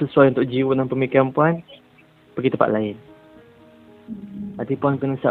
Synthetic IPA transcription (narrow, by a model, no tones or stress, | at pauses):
səsuajunt̪ʊʔ̚d͡ʒiwunaŋpəmikiɾanpuan | pəɡit̪əpa̰ʔlaɪn | at̪ipuankənəsa̰